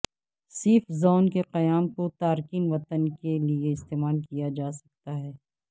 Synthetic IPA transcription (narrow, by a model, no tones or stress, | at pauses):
siːfzaːnkeqɐjaːmkot̪aːɾkiːnʋɐt̪ənkelieɪst̪eːmaːlkijad͡ʒaːsɐ̥k̚t̪aɦɛː